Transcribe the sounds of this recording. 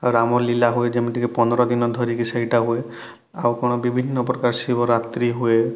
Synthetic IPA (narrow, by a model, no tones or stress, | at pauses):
awɾamɔɾlilaɦued͡ʒemiʈikepɔnɔɾɔd̪inɔd̪ʱɔɾikisejʈaɦue | awkoñɔbibʱinːɔpɾɔkaɾsibʱɔɾat̪ɾiɦue